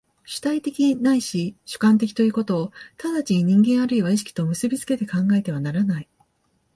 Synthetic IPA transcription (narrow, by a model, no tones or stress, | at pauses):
ɕɨ̥t̪ait̪e̞kʲinaiɕiɕɨ̥kãnt̪̬e̞kʲi̥t̪o̞jiɯ̟ːko̞t̪o̞ːt̪ad̪at͡ɕiɲ̟ĩŋɡẽ̞ɰ̃aɾɯ̟iβaiɕi̥kʲi̥t̪o̞mɯ̟sɨbʲit͡sɨ̥ke̞t̪e̞kãŋɡae̞t̪e̞β̞anaɾanai